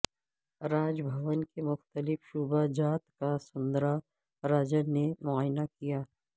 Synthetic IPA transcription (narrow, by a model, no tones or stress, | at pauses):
ɾaːd͡ʒbʱɐʋənkemʊxt̪əlɪfʃuːbad͡ʒaːt̪kasʊ̃nd̪ɾa | ɾaːd͡ʒənemʊaːjnakijaː